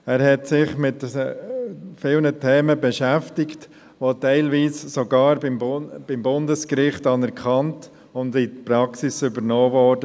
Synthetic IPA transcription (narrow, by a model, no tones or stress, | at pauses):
æːɾhɛtsɪχmɪt | fɪlnətʰɛːməbɛʃæftɪkt | ʋotɛɪlʋiːssoɡɑːɾbɪmb̥ɪmbʊndəskɾɪχtɑnɛɾkχɑnt | ʊndɪtpɾɑksɪsʏbəɾnoːvɔːɾdə